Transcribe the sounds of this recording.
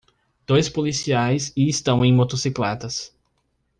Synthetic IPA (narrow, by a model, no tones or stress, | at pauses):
d̪̥ojspolisiajzɪːst̪ɐ̃w̃ẽj̃mot̪osiklɛt̪ɐs